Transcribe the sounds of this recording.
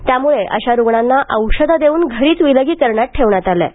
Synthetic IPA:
t̪jamuɭeʔə̰ɕaɾuɡɳanːaʔəwɕəd̪ʱad̪euːnɡʱəɾiːt͡sʋiləɡiːkəɾɳjaʈ̚ʈʰːeʋɳjat̪alɛ̰

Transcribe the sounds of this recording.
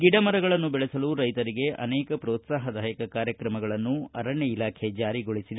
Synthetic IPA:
ɡiɖɐmɐɾɐɡɐɭɐnːubɛɭɛsɐluɾɐjt̪ɐɾiɡe̞ʔɐ̰nɛːkɐpɾɔːt̪saːɦɐd̪ɐɦɐkɐkaːɾjɐkɾɐmɐɡɐɭɐnːuɐɾɐɳjɐilaːkʰe̞d͡ʒaːɾiɡoɭisid̪e

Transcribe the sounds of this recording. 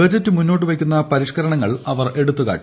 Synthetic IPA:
ɐd͡ʑɐtːɨmunːo̞ːʈ̬ːɨʋɐkʲːunːɐpɐɾiʂkɐɾɐɳɐŋːɐɭɐʋɐrʔe̞ɽut̪ːuka̰ːʈ

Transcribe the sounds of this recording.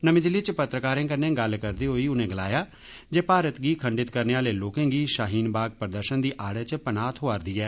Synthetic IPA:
nəmĩːd̪ɪlːiːt͡ʃpət̪ɾəkaːɾẽːkəɾnẽːɡəlkəɾd̪iːɦoːiːʊnẽːɡəlaːjaː | d͡ʒeːpaːɾət̪ɡiːkʰəɳɖɪt̪kəɾneːaːleːloːkẽːɡiːʃaːɦiːnbaːɡ̚pəɾəd̪əɾʃənd̪iːʔaːɽɛːt͡ʃpənaːt̪ʰɦoːaːɾd̪iːɛː

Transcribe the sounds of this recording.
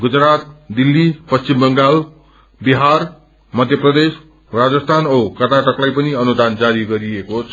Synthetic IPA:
ɡud͡zrat̪̚d̪ilːipʌst͡simbʌŋɡal | biɦar | mʌd̪ʱjʌprʌd̪es | rad͡zʌst̪ʰanokʌrnaʈʌklajpʌniʌnud̪and͡zaɾiɡʌɾiekot͡sʰʌ

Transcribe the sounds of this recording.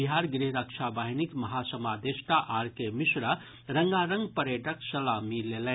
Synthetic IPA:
iɦaːɾɡɾiɦɾəkʃabaːɦinikmɐɦasɐmaːd̪eʃʈ̪aʔaːɾkemɪsɾa | ɾəŋɡaɾə̃ŋɡpəɾjəʈəksɐlamileːlɛ̃

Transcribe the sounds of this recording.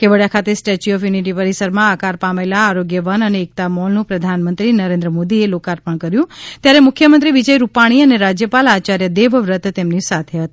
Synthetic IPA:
keʋəɽjakʰat̪esʈet͡ʃiɔfjuniʈ̬ipəɾisəɾmãakaɾpamelaːɾoɡjəʋənəneːk̚t̪amɔlnũpɾəd̪ʱanmənt̪ɾinəɾẽnd̪ɾəmod̪ielokaɾpəɳ̃kəɾjũt̪jaɾemʊkʰjəmənt̪ɾiʋid͡ʒəjɾupaɽ̃iəneɾad͡ʒjəpalat͡ʃaɾjəd̪eʋʋɾət̪t̪ːemnisat̪ʰeɦət̪i̥

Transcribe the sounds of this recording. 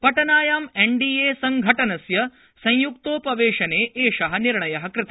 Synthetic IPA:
pɐʈɐnaːjaːmeɳɖiːeːsɐŋɡʱɐʈɐnɐsjɐ | sɐ̃j̃juk̚t̪oːpɐʋeːʂɐneːʔeːʂɐɦɐ̆niɾɳɐjɐɦɐkɾɪt̪ɐ

